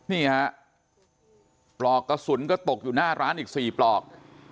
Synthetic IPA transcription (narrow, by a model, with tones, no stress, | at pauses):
niː˥˩ha˦˥ʔ | plɔː˨˩kːa˧˩su˩˦nkɔ˥˩t̪o˨˩k̚juː˨˩naː˥˩ɾʔaː˦˥nʔiː˨˩k̚siː˨˩plɔː˨˩k̚